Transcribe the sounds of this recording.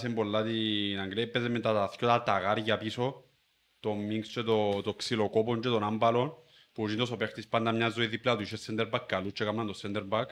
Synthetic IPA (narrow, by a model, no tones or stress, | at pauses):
sembolːat̪inaŋɡlepːeðement̪at̪ːθkʲjot̪alt̪aɣaɾjapiso | t̪omːiŋst͡ʃet̪ot̪oksilokopond͡ʒet̪onambalon | pud͡ʒind̪os̬opekt̪ispand̪amɲazoeðiplat̪uiʃesːend̪eɾbak̚kalut͡ʃːekamand̪osend̪eɾbak